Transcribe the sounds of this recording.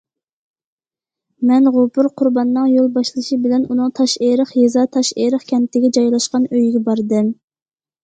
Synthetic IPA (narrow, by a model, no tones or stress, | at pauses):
mɛnʁʊpʊɾqʰʊɾbɑnːɨŋjolˠbɑʃlˠɨʃibɪlɛnunɨŋt̪ʰɑʃeɾəχjezɑt̪ʰɑʃeɾəχkʲʰɛnt̪ːɪɡʲɛd͡ʒɑjlˠɑʃqɑnøjɡʲɛbɑɾd̪ɨm